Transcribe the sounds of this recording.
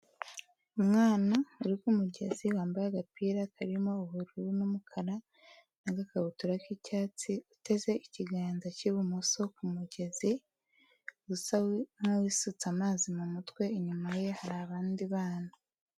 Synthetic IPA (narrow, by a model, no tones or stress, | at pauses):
umŋaːnauɾikumuɟe̞̰ziwaːmbajaɡapiːɾakaɾimo̞ːβuɾuɾunumukʰaɾa | naɡakaβutuɾakicaːt͡siute̞ze̞iciɡaːnzaciβumuso̞kumuɟe̞zi | usanawisut͡samaːzimumutwe̞iɲumaje̞haɾaːβaːndiβaːna